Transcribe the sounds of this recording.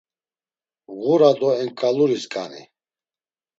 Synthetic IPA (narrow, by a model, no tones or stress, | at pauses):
ɣuɾad̪ɔɛŋkʼaluɾiskʼa̰nḭ